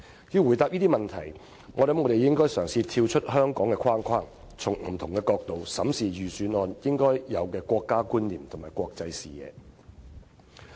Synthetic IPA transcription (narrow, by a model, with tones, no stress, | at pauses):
jiː˧wːu˨˩jt̪aː˧p̚jiː˥t̪i˥mɐ˨˩nt̪ʰɐ˨˩j | ŋɔː˨˧lɐ˨˦mŋɔː˨˧ɾe˨jɪ˥ŋkɔː˥jsœː˨˩ŋsiː˧t̪ʰiː˧wt͡ʃʰɵ˥t̚hœː˥ŋkɔː˨˥ŋkɛː˧kʰaː˥nkʰaː˥n | t͡sʰʊ˨˩ŋm̩˨˩t̪ʰʊ˨˩ŋkɛː˧kɔː˧k̚t̪o˨wsɐ˨˥msiː˨jyː˨˩syː˨˥nɔː˨njɪ˥ŋkɔː˥jjɐ˨˧wkɛː˧kʷɔː˧kːaː˥kuː˥nliː˨˩mt̪ʰʊ˨˩ŋmaː˨˩jkʷɔː˧k̚t͡sɐ˧jsiː˨jɛ̰ː˨˧